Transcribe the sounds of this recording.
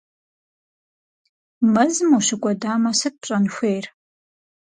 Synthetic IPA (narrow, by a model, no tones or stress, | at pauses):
mɐzɨmuɕɪkʷʼɔdaːmɐsɨt̚pɕʼɐnxʷejr